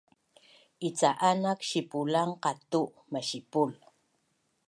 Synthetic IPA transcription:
ʔit͡saʔanakʃipulaŋqɑt̪u | maɕipul

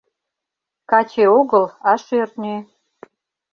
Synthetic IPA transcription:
kɑt͡ɕeoɣəlɑʃørt̪nʲe

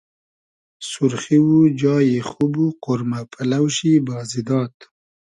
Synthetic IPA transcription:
suɾxiwud͡ʒɑːjexubuqʊɾmapʰalawʃibɑːzid̪ɑːt̪

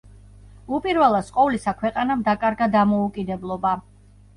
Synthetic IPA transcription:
upʼiɾvɛlˠasʼqʼɔvlisakʰwɛqʼanamd̪akʼaɾɡad̪amɔukʼid̪ɛblˠɔba

